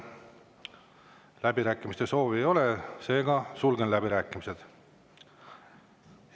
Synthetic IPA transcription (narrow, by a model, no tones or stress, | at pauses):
læbiɾæːkːˑimist̪e̞so̞ːviejo̞lese̞ːɡ̥ɑsulɡ̥enlæbiɾæːkːˑimise̞d̪̥